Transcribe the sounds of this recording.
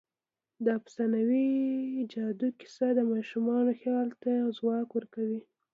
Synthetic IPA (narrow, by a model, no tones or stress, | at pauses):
d̪ɑpə̥sanawid͡ʒɑd̪ukɪ̥sad̪əmɑʃumɑnoxjɑlt̪azwɑkwəɾkawi